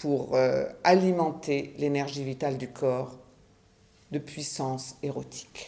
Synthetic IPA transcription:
puʁøalimɑ̃t̪elenɛʁʒivit̪ald̪ykʰɔʁ | d̪əpɥisɑ̃seʁot̪ʰi̥k

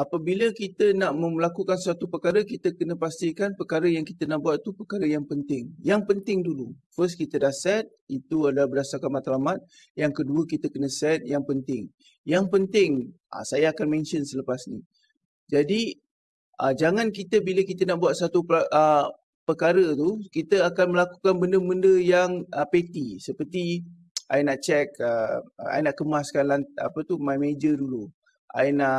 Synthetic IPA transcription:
apəbiləkit̪ənaʔməmlakukansat̪upəkaɾəkit̪əkənə̃past̪ikanpərkaɾəjaŋkit̪ənaʔbuat̪̚t̪ːupərkaɾəjaŋpənt̪ɪŋjaŋpənt̪ɪŋdulu | fəskit̪ədahsɛt̪̚it̪uadalabərdasarkanmat̪alamat̪̚ | jaŋkəduəkit̪əkənə̃sɛt̪̚jaŋpənt̪ɪŋ | jaŋpənt̪ɪŋʔa̰sajaːkanmɛ̃nt͡ʃənsələpasnḭ | d͡ʒadi | ʔəd͡ʒaŋankit̪əbiləkit̪ənaʔbuat̪̚sat̪uə | pəkaɾət̪ukit̪əakanməlakukanbəndəməndəjaŋəpet̪isəpərt̪i | a̰jənaʔt͡ʃɛkəa̰jənaʔkəmuaskanlana̰pət̪umajmed͡ʒədulu | ʔa̰jəna

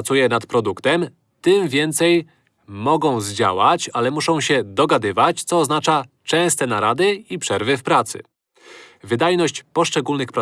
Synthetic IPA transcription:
t̪sujɛnat̪pɾɔd̪ukt̪ɛm | t̪ɘmvʲjɛnt̪sɛj | mɔɡɔ̃w̃zd͡ʑa̰wat͡ɕalɛmuʂɔ̃w̃ɕɛd̪ɔɡad̪ɘvat͡ɕt̪sɔːznat͡ʂa | t͡ʂɛ̃w̃st̪ɛnaɾad̪ɘipʂɛɾvɘfpɾat̪sɘ̰ | vɘd̪ajnɔɕt͡ɕpɔʂt͡ʂɛɡulnɘxpɾ

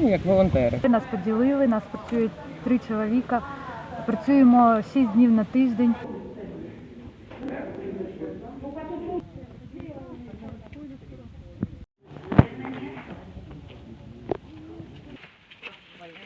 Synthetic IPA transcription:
jɐkʋɔlˠɔnt̪ɛɾɪnɑspɔdʲilˠɪlˠɪnɑspɾɐt͡sʲujʊt̚ʲt̪ɾɪt͡ʃɔlˠɔʋʲikɐpɾɐt͡sʲujemɔʃisʲdʲnʲiwnɐt̪ɪʒd̪enʲ

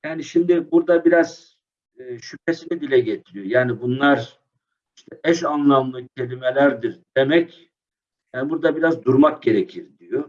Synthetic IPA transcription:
jaːniʃimd̪ibuɾd̪abiɾaz̥ː | ʃypʰesinɛd̪ilʲɛɟet̪ʰiɾijojaːnibunlˠaɾ | iʃt̪ʰɛʔɛʃanlˠamlˠɯcʰe̞lʲimelʲæɾd̪iɾd̪̥e̞mɛc | jaːnbuɾd̪abiɾazd̪uɾmak̚ɟe̞ɾecʰiɾd̪ijo

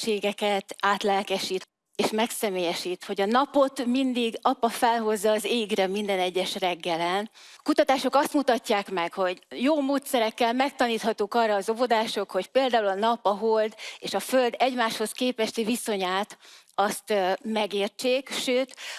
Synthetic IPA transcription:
ʃeːɡɛkɛt̪aːt̪lɛlkɛʃiːt̪ | eːʃmɛksɛmeːjɛʃiːt̪ho̞ɟɒnɒpo̞t̪mind̪iɡɒpːɒfɛlɦo̞zːɒːzeːɡrɛmind̪ɛnɛɟːɛʃrɛɡːɛlɛn | kut̪ɒt̪aːʃo̞kɒst̪mut̪ɒcːaːkmɛkho̞ɟjoːmoːt̪sɛɾɛkːɛlmɛk̚t̪ɒniːt̪hɒt̪uːkɒrːɒːzo̞vo̞d̪aːʃo̞kho̞cpeːld̪aːulɒnɒpːɒɦold̪eːʃɒfø̞ld̪ɛɟmaːʃho̞skeːpɛʃt̪iviso̞ɲaːt̪ | ɒst̪mɛɡeːrt͡ʃeːkʃøːt̪

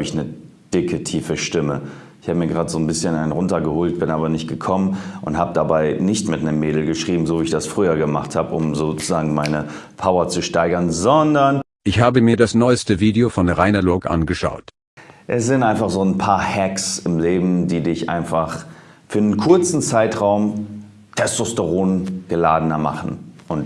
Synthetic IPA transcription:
bɪçnə | d̥ɪkʰətʰiːfəʃtɪmə | ɪçhaːbəmiːɐɡʁaːtz̥oːnbɪsçənaɪnnʁʊntɐɡəhoːlt̚b̥ɪnʔaːbɐnɪçt̚ɡ̥əkʰɔmənʔʊnthaːbədabaɪnɪçtmɪtnəmːeːdl̩ɡəʃʁ̥iːbm̩zoːviːɪçd̥asfʁ̥yːɐɡəmaχthaːbəʔʊmzoːt͡suzaːɡŋ̩maɪnə | pʰaʊɐt͡suʃtaɪɡɐnzɔndɐn | ʔɪçhaːbəmiːɐdasnɔʏstəviːdeofɔnʁaɪnɐlʊkʔa̰nɡəʃa̰ʊt | ʔɛsz̥ɪntʔaɪnfaχz̥oːnpʰaːɐhɛksɪmleːbm̩diːdɪçʔa̰ɪnfaχfyːɐnənkʰʊɐt͡sn̩t͡saɪtʁaʊm | tʰɛstostəʁoːnɡ̥əlaːdənɐma̰χn̩ʔʊnt

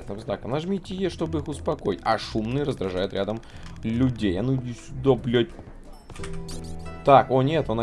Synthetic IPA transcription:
snɨmznakəmnɐʐmʲitʲɪjeʂt̪o̞bɨixʊspɐko̞jɪtʲɐʂumnɨjəɾəzd̪ɾɐʐajʊt̪ɾʲad̪əmlʲʊdʲejɐnujɪsʲʊd̪oblʲotʲ | t̪akonʲet̪onɐ

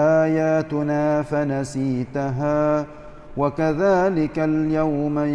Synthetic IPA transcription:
ʔaːjaːt̪ʊnaːfanasiːt̪aɦaː | wakaðaːlɪkaljawma

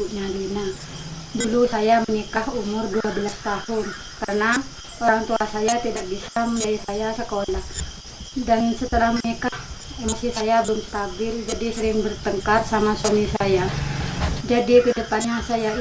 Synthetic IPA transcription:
uɲadina | dulusajamənikahumʊrduabəlast̪ahʊn | karəna | oɾaŋt̪uasajat̪idak̚bisaməaisajasəkolah | dəŋnsət̪əlahmənikahɛmɔsisajabəŋk̪abɪrd͡ʒadisəɾɪŋbərt̪əŋkarsamasanisaja | d͡ʒadikədəpanɲasaja

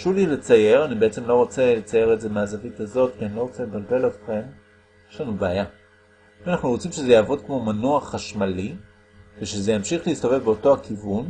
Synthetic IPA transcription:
ʃulilet͡saje̞ʁanibeet͡se̞mlo̞ʁo̞t͡selet͡saje̞ʁeze̞meazavitazo̞tkianilo̞ʁo̞t͡selebalbe̞latχem | jeʃlanubeaja | ianaχnuʁo̞t͡simʃe̞zejaːvo̞dkmo̞manoaχːaʃmali | ve̞ʃezejamʃiχleist̪o̞ve̞vbeoto̞akivun

